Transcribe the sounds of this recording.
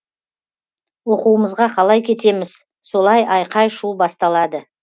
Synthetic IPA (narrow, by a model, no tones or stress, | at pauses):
wo̞quəməzʁɑqʰɑlˠɑjkʲʰe̞t̪e̞mɪz̥ | so̞lˠɑjʔɑjqɑjʃubɑst̪ɑlˠɑd̪ə